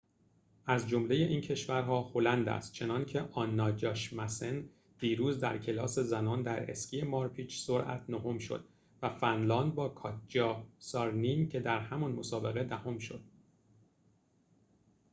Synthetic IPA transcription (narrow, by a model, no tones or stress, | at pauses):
ʔæzd͡ʒomle̞je̞ʔiːncʰe̞ʃvæɾɦɒːho̞lænd̪æ̰st̪̚t͡ʃʰe̞nɒncʰe̞ʔɒːnːɒːd͡ʒɒʃmæsen | d̪̥iːɾuːzd̪æɾcʰe̞lɒːse̞zænɒːnd̪æɾe̞̰scʰijemɒːɾpʰiːt͡ʃsoɾʔæ̰t̪ʰnoho̞mʃo̞̰d̪̥̚ | væfænlɒːnd̪̚bɒːkʰɒːt̪̚ʰd͡ʒɒsɒɾnimcʰe̞d̪æɾhæmɒnmo̞sɒːbe̞ɣe̞d̪æho̞mʃo̞̰d̪̥